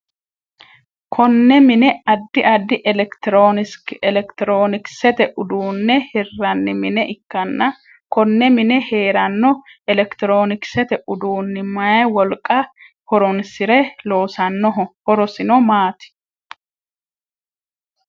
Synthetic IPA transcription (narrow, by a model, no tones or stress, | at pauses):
kʰɔnːɛmɪnɛɐd̪ːɪʔɐd̪ːɪʔɛlɛkt̪oːnɪskɛlɛkt̪ɪɾoːnɪksɛt̪ɛʔʊd̪uːnːɛhɪrːɐnːɪmɪnɛʔɪkːɐnːɐ | kɔnːɛmɪnɛhe̞ːɾɐnːɔɛlɛkt̪ɪɾo̞ːnɪksɛt̪ɛʔʊd̪uːnːɪmɐjɐwɔlkʼɐ | hɔɾɔnsɪɾɛlo̞ːsɐnːɔɦɔhɔɾɔsɪnɔmaːt̪ɪ̥